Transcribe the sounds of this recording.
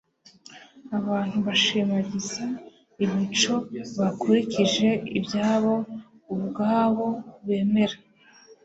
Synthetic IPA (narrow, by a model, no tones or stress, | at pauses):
aβaːn̥huβaʃiːmaɟize | iβit͡ʃo̞βakoɾiciʒe̞ibjaːβo̞ | uβɡaːβo̞βe̞ːme̞ɾa